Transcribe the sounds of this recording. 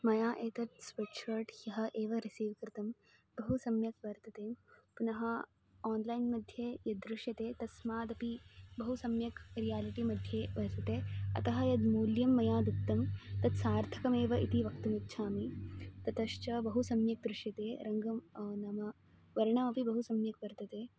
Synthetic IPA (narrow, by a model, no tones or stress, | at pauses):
mɐjaːʔeːt̪ɐt̪speʈʂɐɾʈjɐɦɐ̆ʔeːʋɐɾisiːʋkɾt̪ɐm | bɐɦusɐmjɐkʋɐɾt̪ɐt̪eːpunɐɦɐ | aːnlaːjnmɐd̪ʱjejɐd̪ɾuʃjɐt̪eːt̪ɐsmaːd̪ɐpibɐɦusɐmjɐkɾijaːliʈiːmɐd̪ʱjeʋɐɾt̪ɐt̪eːɐ̰t̪ɐɦɐjɐd̪muːljɐmːɐjaːd̪ut̪ːɐmt̪ɐd̪saːɾt̪ʰɐ̥kɐmeːʋɐʔit̪iʋɐkt̪ɐmitːt͡ʃʰaːmit̪ɐt̪ɐʃt͡ʃɐbɐɦusɐmjɐk̚d̪ɾuʃjɐt̪eːɾɐŋɡɐmnɐmɐ | ʋɐɾɳɐmɐpibɐɦusɐmjɐkʋɐɾt̪ɐt̪eː